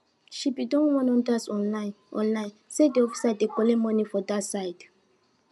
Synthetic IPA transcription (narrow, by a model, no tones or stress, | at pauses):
ʃipidɔ̃nwɔ̃nɔ̃ndasɔ̃nlãɪ̃n | ʔɔ̰̃nlãj̃nsedeɔfi̥sadekɔlemɔ̃nifɔdatsaɪd̥